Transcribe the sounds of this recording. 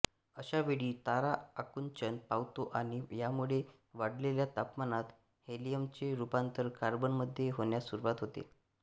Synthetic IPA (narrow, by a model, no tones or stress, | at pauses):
əɕaʋeɭiːt̪aɾaːkunt͡ɕənpaʋt̪oʔaɽ̃ijamuɭe | ʋaɽleljat̪apmanat̪ | helijəmt͡ɕeɾupant̪əɾkaɾbənməd̪ʱːjeɦoɳjasuɾuʋat̪ɦot̪ḛ